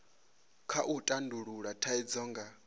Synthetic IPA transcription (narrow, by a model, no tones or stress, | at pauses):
kʰaʔutʼanduɺuɺatʰaid͡zɔːŋɡa